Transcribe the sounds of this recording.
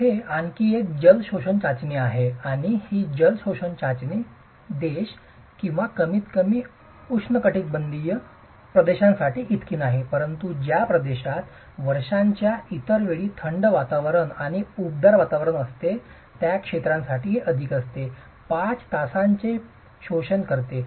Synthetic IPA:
heankiːek̚d͡ʑəlɕoɕəɳt͡ɕat͡ɕneaɦeaɽ̃ihiːd͡ʑəlɕoɕəɳt͡ɕat͡ɕne | d̪eɕ | kĩw̃ʋakəmiːt̪kəmiː | uʂnəkəʈiːt̪̚bənd̪ijə | pɾəd̪eɕãnsaʈiːʔit̪kiːnaɦepəɾənt̪ud͡ʑjapɾəd̪eɕat̪ | ʋəɾʂãɲt͡ɕjait̪əɾʋeɭiːt̪ʰəɳɖʋat̪aʋɾəɳaɽ̃iub̚d̪əɾʋat̪aʋɾəɳəst̪e | t̪jakʂet̪ɾãnsaʈiːɦeʔəd̪ʱikəst̪e | pat͡st̪asaɲt͡ɕe | ɕoɕənkəɾt̪e

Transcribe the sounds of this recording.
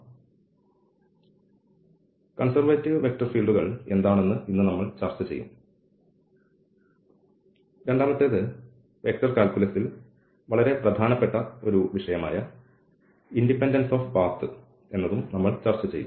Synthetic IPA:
kɐnsɐrʋɐtːiʋɨʋe̞k̚ʈɐrfiːlɖuɣɐɭe̞nd̪aːɳenːɨinːɨnɐmːɐɭt͡ɕɐrt͡ɕːɐt͡ɕe̞̰jːṵm | ɾe̞ɳɖaːmɐt̪ːeːðɨ | ʋe̞k̚ʈɐrkaːlkulɐsːil | ʋɐɭɐɾe̞prɐd̪ʱaːnɐpːeʈːɐo̞ɾuʋiʂɐjɐma̰ːjɐ | indipːendɐnsoːfbaːt̪ɨ | e̞nːɐðumnɐmːɐɭt͡ɕɐrt͡ɕːɐt͡ɕejːṵm

